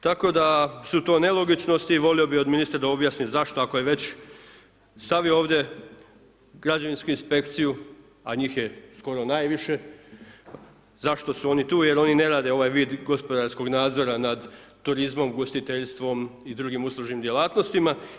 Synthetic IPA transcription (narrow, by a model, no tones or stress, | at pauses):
t̪ako̞d̪asut̪o̞ːne̞lo̞ɡit͡ʃno̞st̪iːʋo̞lio̞bio̞d̪minist̪ɾad̪ao̞bjaːsnizaʃt̪o̞ako̞je̞ʋe̞t͡ɕ | st̪aʋiooːʋd̪ʲje̞ | ɡɾad͡ʑaʋinskuinspe̞kt̪siju | aɲiːxje̞sko̞ɾo̞naːjʋiʃe̞ | zaʃt̪o̞suo̞nit̪uːje̞ɾo̞nine̞ɾaːd̪e̞o̞ʋaːjʋiːd̪ɡo̞spo̞d̪aɾsko̞ɡnaːd̪zo̞ɾanad̪ | t̪uɾizmo̞mɡo̞st̪it̪e̞ʎst̪ʋo̞mid̪ɾuːɡimuslˠuʒnimd̪ʲje̞laːt̪no̞st̪ima